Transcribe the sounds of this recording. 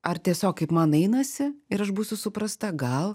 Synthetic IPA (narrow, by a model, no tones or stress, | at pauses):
ɐrt̪ʲiɛsʲoːkkɐɪpmɐnɛɪnɐsʲɪɪɾɐʃbuːsʲʊsʊpɾɐst̪ɐɡɐlˠ